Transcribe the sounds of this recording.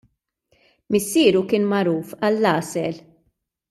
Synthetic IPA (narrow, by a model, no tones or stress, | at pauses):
mɪsːiːɾukɪːnmɐɾuːfɐlːɐːsɛl